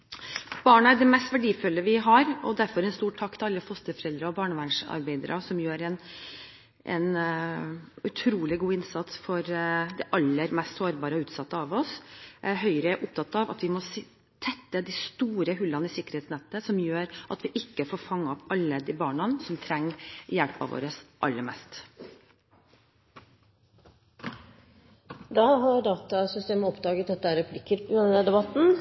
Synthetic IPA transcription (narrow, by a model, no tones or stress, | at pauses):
b̥ɑːɳɑæɖ̪ɛmɛst̪ʋæɖiːfœlːəʋɪɦɑɾɔd̪æɾfɔɾɛnst̪uːʈʰɑkt̪ʰɪɾɑlːəfɔst̪əɾfɔɾɛld̪ɾɑɔbɑːɳəʋæɳʂɑ̰ɾbæɪd̪əɾʔɑsɔmjøːɾɛn | ʔɛ̰n | ʉt̪ʰɾuːlɪɡuːɪnsɑt̪sfɔɾd̪ɛʔɑlːəɾmɛst̪soːɾbɑːɾəɔʉːt̪sɑt̪ːəɑʋɔsʔæɾɦœʏɾəʔʊp̚t̪ʰɑt̪ːɑʋɑ̰t̪ʋɪmɔs | t̪ʰɛt̪ːəd̪ɪst̪uːɾəɦʉlɑnəɪsɪkːəɾheːt̪snɛt̪ːəsɔmjøːɾʔɑt̪ʋɪʔɪkːəfoːɾfɑŋːəɔpɑlːəd̪ɪbɑːɳɑnsɔmt̪ʰɾɛŋːjɛlpɑ̰ʋo̰ːɾəsʔɑ̰lːəɾmɛst̪ | d̪ɑːɦɑɾɖɑːt̪ɑsʏst̪eːməɔpd̪ɑːɡət̪d̪ɛt̪ːəæɾɛpʰlɪkːəɾpnəd̪ɛbɑt̪ːn̩